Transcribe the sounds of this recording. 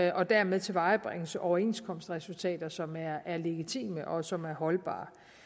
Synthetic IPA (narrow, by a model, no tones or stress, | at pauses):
ʔɒ̽d̥æɐmeðˠt͡sʰe̝ʋɑ̈ɪb̥ʁɛŋəsʔɒʊɐe̝̰nskʰɒ̽msd̥ʁɛsult͡sʰɛ̰ːd̥ɐsɒ̽mæɐæɐle̝ɡ̥it͡sʰḭːməʔɒ̽sɒ̽mæɐɦɒ̽lb̥ɑ̰̈ː